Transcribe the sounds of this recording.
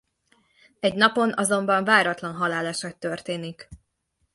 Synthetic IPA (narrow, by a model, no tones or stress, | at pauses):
ɛɟnɒpo̞nɒzo̞mbɒɱvaːɾɒt̪lɒnɦɒlaːlaːʃɒkt̪ːørt̪eːnik